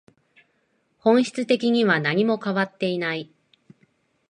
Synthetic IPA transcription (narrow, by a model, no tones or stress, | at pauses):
hõ̞ɰ̃ɕi̥t͡sɨt̪e̞kʲiɲ̟iβanaɲ̟imo̞kaβat̪ːe̞inai